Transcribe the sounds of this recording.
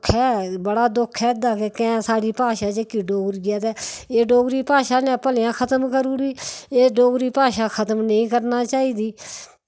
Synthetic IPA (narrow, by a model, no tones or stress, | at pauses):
kʰɛːbəɽaːd̪ʊkʰɛːɪd̪aːkekɛ̃ːsaːɽiːpaːʃaːt͡ʃekːiːɖoːɡɾɡɪjaːt̪ɛːeːɖoːɡɾiːpaːʃaːnɛ̃ːpəljãːkʰət̪əmkəɾuːɾiːeːɖoːɡɾiːpaːʃaːkʰət̪əmnəĩːkəɾnaːt͡ʃaːiːd̪iː